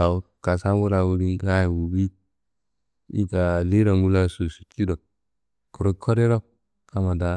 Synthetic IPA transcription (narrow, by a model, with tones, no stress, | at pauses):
a˨w | ka˨sa˦wu˦ɾa˨wu˦ɾi˦a˦ji˨wu˨bi˦ | ḭ˦ɡa˨li˦ɾa˨ŋɡu˦la˦su˨su̥˨ki˦do˨ | ku˨ɾo˦kʰːo˦ɾe˦ɾa˦ | ka˦ma˨da˦